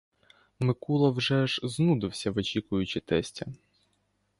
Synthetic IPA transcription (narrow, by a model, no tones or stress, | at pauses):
mɪkulˠɐwʒɛʒznud̪ɪwsʲɐʋɔt͡ʃikʊjʊt͡ʃɪt̪ɛsʲtʲɐ